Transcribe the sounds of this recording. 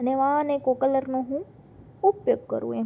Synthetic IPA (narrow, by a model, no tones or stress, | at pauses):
əneʋãənekokələɾnoɦũ | upjoɡ̚kə̰ɾṵ̃e